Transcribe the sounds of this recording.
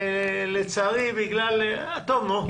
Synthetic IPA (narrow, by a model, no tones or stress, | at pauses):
let͡saʁibiɡlal | at̪omo